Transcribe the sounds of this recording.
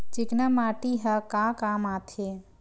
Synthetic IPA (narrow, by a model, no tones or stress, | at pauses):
t͡ʃiknamaːʈiɦakakaːmaːt̪ʰe